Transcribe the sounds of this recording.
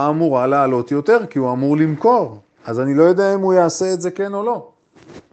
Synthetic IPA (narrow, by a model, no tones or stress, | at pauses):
muʁaalealo̞t̪jo̞t̪e̞ʁkiuamuʁlimko̞ʁ | ʔazanilo̞jo̞d̪eaimhujaːse̞ːtze̞ke̞no̞lo̞